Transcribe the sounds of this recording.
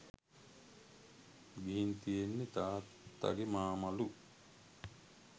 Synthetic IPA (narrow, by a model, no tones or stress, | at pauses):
ɡiɦint̪ijenːet̪aː | a̰ɡemaːmalu